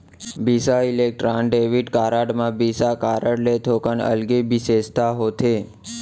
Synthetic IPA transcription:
bisailek̚ʈɾanɖeʋiɖkaɾaɖmãbisakaɾəɽlet̪ʰokənə̰lɡebised͡ʒt̪aɦot̪ʰe

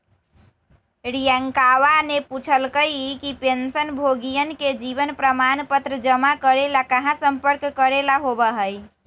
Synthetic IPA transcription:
ɾijəŋkawaneput͡ʃʰəlkəjkipensənbʱoɡijənked͡ʒiβənpɾəmanpət̪ɾəd͡ʒəmakəɾelakəɦãsəmpəɾkːəɾelaɦobəɦəj

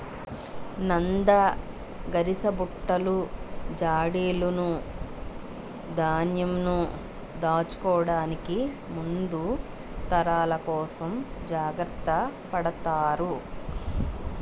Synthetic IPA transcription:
nɐnd̪ɐ | ɡɐɾisɐbuʈːɐlud͡ʒaːɽeːlunu | d̪aːnjɐmnu | d̪aːt͡ʃu̥kɔːɽaːniki | mund̪u | t̪ɐɾaːlɐkɔːsɐmd͡ʒaːɡɾɐt̪ːɐpɐɽɐt̪aːɾu

